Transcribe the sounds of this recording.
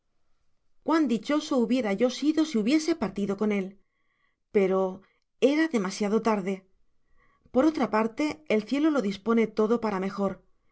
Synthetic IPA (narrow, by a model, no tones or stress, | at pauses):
kwand̪it͡ʃo̞so̞uβje̞ɾaʝo̞siðo̞siuβje̞se̞paɾt̪iðo̞ko̞ne̞l | pe̞ɾo̞ | e̞ɾaðe̞masjaðo̞t̪aɾðe̞ | po̞ɾo̞t̪ɾapaɾt̪e̞elθje̞lo̞lo̞ðispo̞ne̞t̪o̞ðo̞paɾame̞xo̞ɾ